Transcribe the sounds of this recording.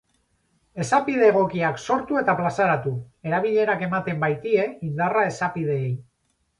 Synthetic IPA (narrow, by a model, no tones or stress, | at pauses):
e̞sapið̞e̞ːɣo̞kiakso̞ɾt̪ue̞t̪aplasaɾat̪ue̞ɾaβ̞iʎe̞ɾake̞mat̪e̞mbajt̪ie̞ind̪arae̞sapiðe̞ːj